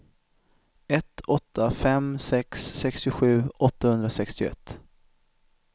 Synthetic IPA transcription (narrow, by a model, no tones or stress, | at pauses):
ɛt̪ɔt̪ːafɛmsɛksːɛkst̪ɪɧʉ̟ːɔt̪ːahɵnd̪ɾasɛkst̪ɪʊ̰ɛ̰t̪ː